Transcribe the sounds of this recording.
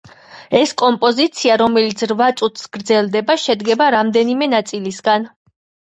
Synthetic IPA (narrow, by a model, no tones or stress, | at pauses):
ɛskʼɔmpʼɔzit̪sʰiaɾɔmɛlit̪sʰɾvat̪sʼut̪ʰsɡ̥ɾd̪zɛlˠd̪ɛbaʃɛd̪ɡɛbaɾamd̪ɛnimɛnat̪sʼilisɡan